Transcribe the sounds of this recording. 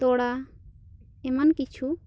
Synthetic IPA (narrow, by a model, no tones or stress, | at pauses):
t̪ɔɽa | ɛmankit͡ʃʰu